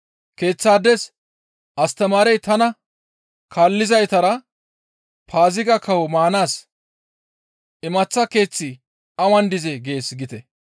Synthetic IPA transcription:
ke̞ːt͡sːaːd̪ɛs | ʔɐst̪ɐmaːɾɛjt̪ɐnɐ | kʰaːlːɪzɐjt̪ɐɾɐ | pʰaːzɪɡɐkɐwmaːnaːs | ʔɪmɐt͡sːɐke̞ːt͡sːɪ | ɐwɐnd̪ɪzɛɡe̞ːsɡɪt̪ɛ

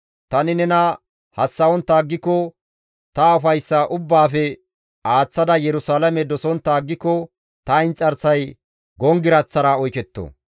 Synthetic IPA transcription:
t̪ɐnɪnɛnɐ | hɐsːɐwɔnt̪ːaːɡːɪkːɔ | t̪ɐʊfɐjsːɐʔʊbːaːfɛ | aːt͡sːɐd̪ɐjɛɾʊsaːlɐmɛd̪ɔsɔnt̪ːaːɡːɪkːɔ | t̪ɐɪnt͡sʼɐɾsɐj | ɡɔŋɡɪɾɐt͡sːɐɾaɔjkɛt̪ːo̰

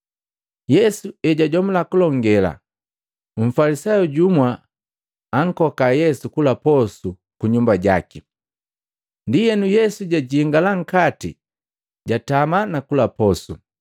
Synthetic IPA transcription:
jɛsuɛɟaɟɔmulakulɔŋɡɛla̰ | ɱ̩falisajuɟumwaː | ŋ̩kɔkajɛsukulapɔsu | kuɲumbaɟa̰ki | ndijɛnujɛsuɟaɟiiŋɡalaŋ̩kati | ɟatamanakulapɔsu

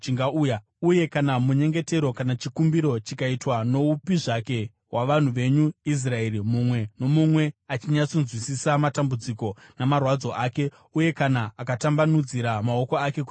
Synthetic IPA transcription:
t͡ʃiŋɡauːja | uje̞kanamuɲe̞ŋɡe̞te̞ɾo̞kanat͡ʃikumbiɾo̞t͡ʃikaitwano̞upiʐake̞ | ɦwʔaʋan̤uʋe̞ɲuis̬rae̞ɾimumwe̞no̞mumwe̞at͡ʃiɲat͡sonzwisisamatambud͡ziko̞namarwad͡zo̞ʔaːke̞ | uje̞kanaːkatambanud͡ziɾamao̞ko̞ake̞ku

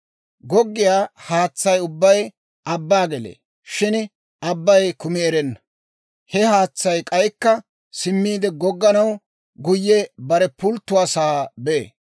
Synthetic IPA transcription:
ɡɔɡːɪjaːhaːt͡sːɐjʊbːɐj | ʔɐbːaːɡɛlḛː | ʃɪn | ɐbːɐjkʊmɪɛɾɛnːɐ̥ | hɛhaːt͡sːɐjkʼɐjkːɐ | sɪmːiːd̪ɛɡɔɡːɐnɐw | ɡʊjːɛbɐɾɛpʊlt̪ːʊaːsaːbḛː

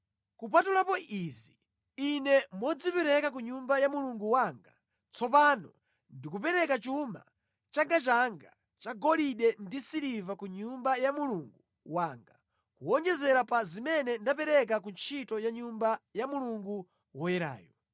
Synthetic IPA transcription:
kup̬atulapɔʔizi | inɛmɔd͡zipɛɾɛkak̬uɲumbajamuluŋɡuwaŋɡa | t͡sʰɔp̬anɔ | ndikup̬ɛɾɛkat͡ʃuma̰ | t͡ʃaŋɡat͡ʃaŋɡa | t͡ʃaɡɔliɗɛndisiɾivakuɲumbajamuluŋɡu | waːŋɡa | kuɔɲd͡ʒɛzɛɾapazimɛnɛndap̬ɛɾɛk̬akunt͡ʃʰitɔjaɲumbajamuluŋɡu | wɔjɛɾa̰ːjɔ

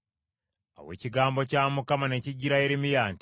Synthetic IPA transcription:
a̰we̞̰ciɡaːmbo̞caːmukamane̞ciɟiɾae̞ɾimijaːnt

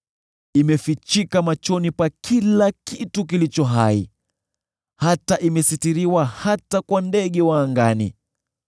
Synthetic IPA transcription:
imɛfit͡ʃikamat͡ʃɔnipwakʰilakituk̬ilit͡ʃɔɦaḭ | hataʔimɛsitiɾiwahatakwandɛɠɛwaːŋɡanḭ

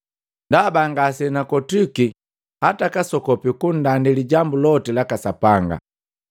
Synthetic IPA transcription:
ndabaŋɡasɛnakɔtuki | hatakasɔkɔpikun̩dandiliɟambulɔtilakasapaŋɡa̰

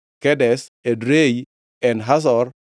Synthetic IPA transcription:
kɛdɛsedɾej | ɛnɦas̬ɔr

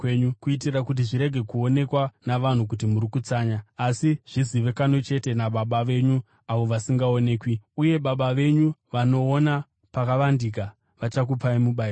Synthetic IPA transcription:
kweɲukuitirakut̬iʐiɾe̞ɡʱe̞kuo̞ne̞kwanaʋan̤ukut̬imuɾikut͡saːɲaːsiʐ̥iziʋe̞kanot͡ʃe̞te̞naɓaɓaʋe̞ɲu | aʋo̞ʋasiŋɡao̞ne̞ːkwiuje̞ɓaɓaʋe̞ɲuʋano̞ːna | pakaʋandik̬a | ʋat͡ʃak̬upaimuɓai

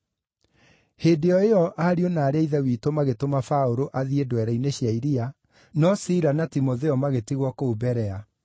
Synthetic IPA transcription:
hedeɔeɔʔaɾionaːɾeaiðɛwiːtomaɣetomafaoɾoʔaðiedwɛɾaineɕjaiɾia | nɔsiɾanatimoðɛɔmaɣetiɣwɔkobɛɾɛa

